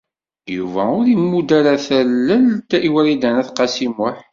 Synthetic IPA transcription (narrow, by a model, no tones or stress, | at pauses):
juvæʊɾimːud̪æɾaθælːəlt̪æʔiwæɾid̪ænæθqɑsimʊħ